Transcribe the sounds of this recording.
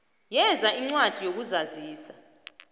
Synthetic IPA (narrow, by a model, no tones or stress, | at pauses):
jɛzaiŋ͡ǀwad̥ʱijok̬uzaziːsḁ